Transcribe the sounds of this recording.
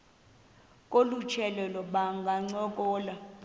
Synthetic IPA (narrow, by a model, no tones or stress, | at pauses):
kʼolut͡ʃʰɛlɛlɔɓaŋɡʱaŋ͡ǀɔkʼɔːla